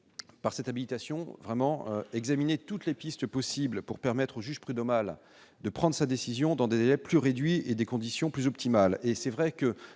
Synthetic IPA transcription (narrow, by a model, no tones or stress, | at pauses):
paʁsɛt̪abilit̪asjɔ̃vʁɛmɑ̃ø̰ɛɡzaminet̪ut̪lepist̪əpɔsiblpuʁpɛʁmɛt̪χoʒyʒpχyd̪ɔmal | d̪əpχɑ̃d̪ʁəsad̪esizjɔ̃d̪ɑ̃d̪ezelɛplyʁed̪ɥied̪ekɔ̃d̪isjɔ̃plyzɔpt̪imalesɛvʁɛkə